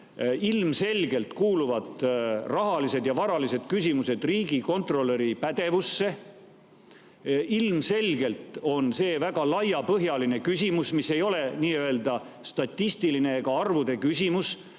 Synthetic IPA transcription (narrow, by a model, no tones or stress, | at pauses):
ilmse̞lɡ̥e̞lt̪kuːluvɑd̪rɑɦɑlise̞d̪̥jɑvɑɾɑlise̞d̪̥kysʲimuse̞d̪̥riːɡiko̞nt̪ro̞lːe̞ɾipæd̪̥e̞vusːe̞ | ʔilmse̞lɡe̞lt̪ˑo̞nse̞ːvæɡ̥ɑlɑjɑpɤɦjɑline̞kysʲimusmisːe̞jo̞le̞niːø̞e̞ld̪̥ɑ | st̪ɑt̪ʲːist̪iline̞ːɡɑɑrvud̪e̞kysʲimus